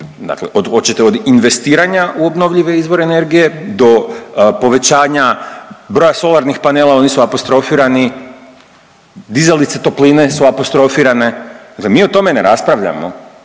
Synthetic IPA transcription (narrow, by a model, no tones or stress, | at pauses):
d̪a̰kle̞̰ʔod̪xo̞t͡ɕit̪eo̞d̪inʋe̞st̪iːɾaɲauo̞bno̞ʋʎiʋe̞izʋo̞ɾeːne̞ɾɡije̞d̪o̞po̞ʋe̞t͡ɕaːɲabɾojaso̞lˠaɾnixpaneːlˠao̞nisuapost̪ɾo̞fiːɾani | d̪izelit̪set̪o̞pliːne̞suapo̞st̪ɾo̞fiːɾane̞d̪aklemiːo̞t̪o̞me̞ne̞̰ɾaspɾaʋʎa̰mo̰